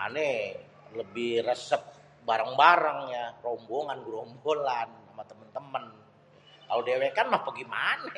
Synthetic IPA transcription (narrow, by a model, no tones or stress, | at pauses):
a̰ne | ləbɪhrəsəp̚ | baɾaŋbaɾəŋjaromboŋanɡuɾɔmbolanamat̪əmənt̪əmən | kalodewekanmahpəɡimana